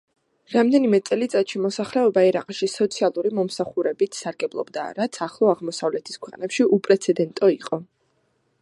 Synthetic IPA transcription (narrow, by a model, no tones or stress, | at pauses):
ɾamd̪ɛnimɛt̪sʼɛlit̪sʼat̪ʃimɔsaχlɛɔbaɛɾa̰qʼʃisɔt̪sʰialˠuɾimɔmsaχuɾɛbit̪ʰsaɾɡɛblˠɔ̰bd̪a̰ɾat̪sʰaχlˠɔaʁmɔsavlɛt̪ʰi̥skʰwɛqʼnɛpʃiʔupʼɾɛt̪sʰɛd̪ɛnt̪ʼɔiqʼɔ